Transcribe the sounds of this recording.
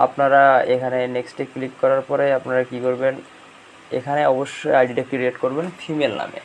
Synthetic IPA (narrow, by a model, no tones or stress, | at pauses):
a̰pnaɾaekʰaneneksʈeklikːɔɾaɾpɔɾeapnaɾakikoɾben | ḛkʰaneɔboʃːojajɖiʈak̚ʈiɾieʈkoɾbenfʰimelna̰mḛ